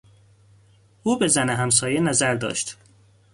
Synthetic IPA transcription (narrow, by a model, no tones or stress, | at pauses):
ʔuːbe̞zæneɦæms̬ɒːjenæzæɾd̪ɒ̰ːʃt̪